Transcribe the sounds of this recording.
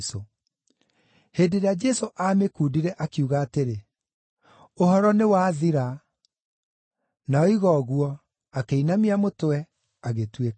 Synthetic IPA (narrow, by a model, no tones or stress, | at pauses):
so | heːdeɾead͡ʒɛsoʔamekuːdiɾɛʔakiuɣaːteɾe | ohɔɾɔnewaːðiɾa | naɔiɣɔɣwɔ | akeinamiamotowɛ | aɣetwek